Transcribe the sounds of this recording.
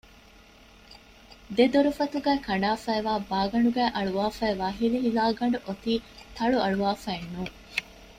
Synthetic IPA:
d̪ed̪oɾufɐt̪uɡæːkɐɳɖaːfæːʋaːbaːɡɐɳɖuɡæːʔɐɭuʋaːfæːʋaːɦiliɦilaːɡɐɳɖuʔot̪iːt̪ɐɭuɐɭuʋaːfæenːuː

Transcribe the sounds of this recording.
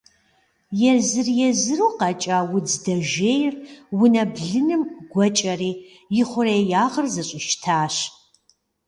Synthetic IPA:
jɛzɨrjɛzɨruːqɐt͡ʃʼawʊd͡zdɐʒeːjrwʊnɐbɮɨnɨmɡʷɔt͡ʃʼɐriː | jɪχʷʊrejaːʁərzɨɕʷʼɪʃtʰaːɕ

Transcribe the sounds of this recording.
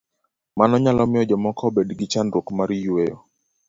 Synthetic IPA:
manɔɲalɔmɪɔd͡ʒɛmɔkʰɔbɛdɡɪt͡ʃandɾokmaɾijuwejɔ

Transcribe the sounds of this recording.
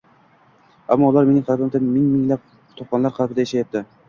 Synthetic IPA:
a̰mːɒʊlˠaɾme̞nɪŋqʰɑlbamt̪ʰanmɪŋmɪŋlap̚ | t̪ʰoqɒnlaɾqʰɑlˠpɪd̪ajeʃajap̚t̪ɪ

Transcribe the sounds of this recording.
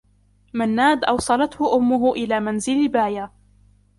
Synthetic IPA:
manːaːd̪ʔɑ̰wsˤɑlɑt̪hʊʔʊmːʊɦʊʔɪlaːmanzɪlbaːja

